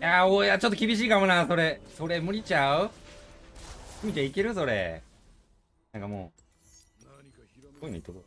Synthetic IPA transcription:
jaoeat͡ɕo̞t̪ːo̞kʲibʲiɕ̬iːkamonaso̞ɾeso̞ɾe̞mɯ̟ɾʲit͡ɕaɯ | sɯmʲit͡ɕaikeɾɯ̟so̞ɾḛ | nãŋkamo̰ː | oina̰ḭt̪ːoko

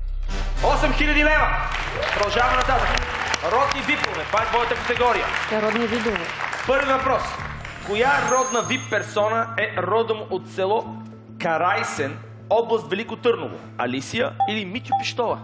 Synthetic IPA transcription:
ɔsɛmxilʲɐd̪ilɛvɐ | pɾoʒavnɐt̪at̪əɾɔd̪nivipovɛt̪vat̪vɔjət̪əkɐt̪ɛɡɔɾijə̰t̪ɛɾɔd̪nivid̪ovɛpɤɾvivɐpɾɔs | kojaɾɔd̪nəvipːɛɾsɔnəɛɾɔd̪ɐmʔot̪sɛlˠɔ | kɐɾajsɛn | ɔblˠɐst̪vɛlikot̪ɤɾno̰vo̰ | ɐ̰lisijəilimit̪ʲopiʃt̪ɔvɐ̰

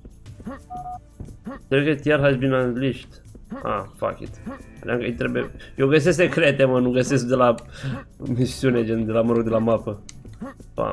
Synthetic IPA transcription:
kɾekət̪jaɾɦasbinanliʃt̪ | a̰fa̰kʲḭt̪ad̪ʲaŋkəjt̪ɾebuejoɡəs̬es̬t̪ekɾet̪emənuɡəsesk̚d̪ela | misiuned͡ʒend̪elaməɾoɡ̚d̪elamapə | pa̰

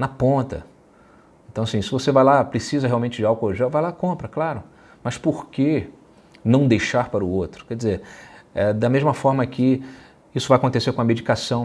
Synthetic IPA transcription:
nɐpõnt̪ɐ̰ | ẽnt̪ɐ̃w̃ɐsĩsɪvosevajlapɾesizɐɦeawmẽt͡ʃɪd͡ʒɪawkoʒɛwvajlakõpɾɐklaɾʊ | mɐspoɾke | nɐ̃w̃d̪ejʃaɾpaɾʊot̪ɾʊ̥kɛɾd͡ʒɪzeɾɛd̪ɐmeʒmɐfɔɾmɐkʰɪ | isʊvajakõnt̪eseɾkõɐmed͡ʒikasɐ̃w̃

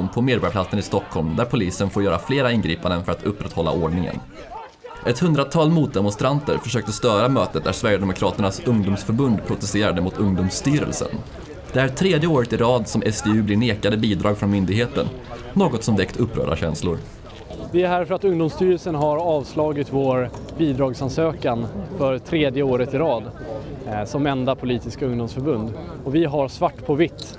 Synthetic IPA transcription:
mpʰɔmeːd̪bɑɾjpʰlat̪sənɪst̪ɔkʰːɔlmd̪æɾpʰʊliːsənfoːɾjœːɾafleːɾaɪnɡɾiːpand̪ənfœɾat̪ʰɵpːɾɛt̪hɔlːa̰ʔoːɖɳɪŋə̰n | ʔɛt̪hɵnd̪ɾat̪ʰɑːlmuːt̪̚d̪ɛmɔnst̪ɾant̪ə̰ɾfœʂøːkt̪əst̪œːɾamøːt̪ət̪̚d̪æʂvæɾjəd̪ɛmʊkʰɾɑːt̪əɳasɵŋd̪ʊmsfœɾbɵnd̪pʰɾʊt̪ɛst̪eːɾad̪əmʊt̪ʰɵŋd̪ʊːmst̪yːɾə̰lsə̰n | d̪̥ɛæɾt̪ʰɾeːd̪jəoːɾət̪ɪɾɑːd̪sɔmʔɛsd̪eːʉ̟ːblɪneːkad̪əbiːd̪ɾɑːɡfɾɔnmʏnd̪ɪɡɦeːt̪ənː | oːɡɔt̪sɔmvɛkt̪ʰɵpːɾœ̰ːɾa̰ɕɛ̰nslʊ̰ɾ | d̪ɛæɦæɾfœɾat̪ɵŋd̪ʊmst̪yːɾəlsənɦaɾɑːvslɑːɡɪt̪voːɾ | biːd̪ɾɑːɡsansøːkanfœɾt̪ʰɾeːd̪jəoːɾət̪ɪɾɑːd̪ | sɔmɛnd̪apʰʊliːt̪ɪskaɵŋd̪ʊmsfœɾbɵnd̪ | ɔvɪɦaɾsvaʈːpʰɔvɪt̪ː

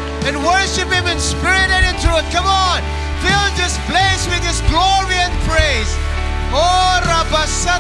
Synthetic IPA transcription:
ɨ̃nwə˞ʃɨphɪ̃mɨ̃nspɪɹɪɾɨɾɪ̃ntʰɹuə̃n̚kʰʌ̃mɔn | filˠðɪspleswɪðɪsɡlɔɹiɨ̃npʰɹeɪz | oɾabasa

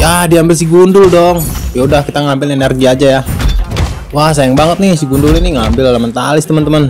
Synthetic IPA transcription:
jadiambɪls̬iɡundʊldɔŋjaudahkit̪aŋambɪlenɛrɡiad͡ʒaja | wahs̬ajaŋbaŋət̪̚nɪsiɡundʊliniŋaːmbɪlalamənt̪alɪst̪əmənt̪əman

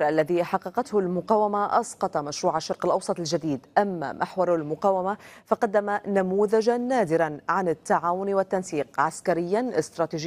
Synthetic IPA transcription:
ɾʔalːaðiħɑqːɑqɑt̪hʊlmʊqɑːwamaʔɑsqɑt̪ˤɑmaʃɾuːʕaʃːɑɾˤqɪlʔɑwsˤɑt̪ˤɪld͡ʒad̪iːd̪ʔamːa̰mʔa̰ħwɑɾˤlmʊqaːwamafɑqɑd̪ːamanamuːðad͡ʒanːaːd̪ɪɾanʕanɪt̪ːaʕaːwʊnwɪt̪ːansiːqʕaskaɾɪjːanʔɪst̪ɾˤɑːt̪iʒ

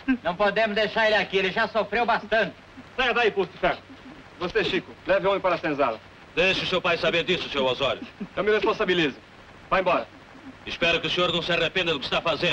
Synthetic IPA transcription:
nɐ̃w̃pod̪ẽmʊzd̪ejʃaɾelɪakielɪʒasofɾewbast̪ɐ̃nt̪ɪ̥sɛɡɐd̪aiput̪ɪfɛɾt̪ʊ̥ | voseʃikʊlɛvɪõmɪ̃paɾɐsẽzalɐ̰ | d̪ejʃɪusewpajsabẽɾd̪isʊsewozɔɾjʊẽwmɪʁespõsabilizɪ | vaẽmbɔɾɐ | iʃpɛɾʊkɪusiɲoɾnɐ̃w̃sɛʁɐpẽnɐd̪ʊkɪ̥ʃt̪afazẽd̪ʊ

